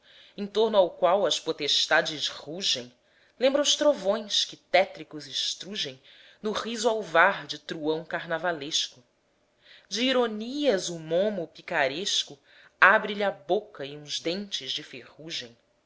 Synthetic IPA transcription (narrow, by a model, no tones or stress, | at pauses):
ẽt̪oɾnʊawkwawɐspot̪eʃt̪ad͡ʒɪʃχuʒẽj̃ | lẽmbɾɐʊʃt̪ɾovõj̃skɪt̪ɛt̪ɾikʊzɪʃt̪ɾuʒẽj̃ | nʊʁizuawvaɾd͡ʒɪt̪ɾuɐ̃w̃kaɾnavaleʃkʊ | d͡ʒɪːɾoniɐzʊmõmʊpikaɾeʃkʊ | abɾɪʎiabokɐɪũzd̪ẽnt͡ʃɪzd͡ʒɪfeʁuʒẽj̃